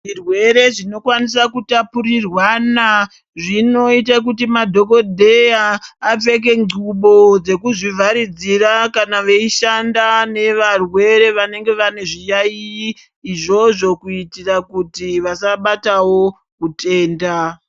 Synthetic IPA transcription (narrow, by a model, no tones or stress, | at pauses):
ʐirwe̞ɾe̞ʐino̞kwanisakutapurirwana | ʐino̞itak̬utimadʱo̞ko̞dʱe̞jaːp͡fe̞k̬e̞ŋɡuɓo̞d͡ze̞kuʐivʱaɾid͡zirakanaʋe̞iʃandane̞ʋarwe̞ɾe̞ʋane̞ŋɡe̞ʋane̞ʐijaiː | ʐo̞ʐo̞kuitirakutiʋasaɓatawo̞ | kutʰe̞ːnda